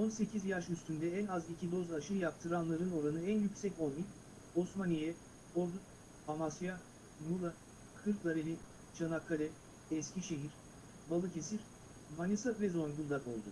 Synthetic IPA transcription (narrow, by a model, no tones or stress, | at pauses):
o̞nse̞cʰizjaʃyst̪ynd̪ɛænazicʰid̪o̞zaʃɯjap̚t̪ʰɯɾanlˠaɾɯno̞ɾanɯænjycʲsɛcolˠmi | osmanijɛ | olˠd̪u | amasja | mulˠa | kʰɯɾkd̪aɾelʲi | t͡ʃʰanakʰːalʲɛ | ɛscʲʰiʃe̞ɦiɾ | balˠɯcʰe̞siɾ | manʲisavɛzo̞nɡund̪ako̞̰lˠd̪u